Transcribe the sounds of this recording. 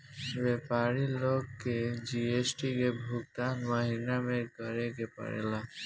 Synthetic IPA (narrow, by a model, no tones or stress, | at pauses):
bɛpaɾilokːed͡ʑiesʈikebʱuk̚t̪anmaɦinameɾkɔɾeɡepa̰ɾḛla